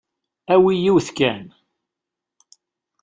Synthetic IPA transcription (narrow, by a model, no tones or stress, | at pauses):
æwijiwθkæn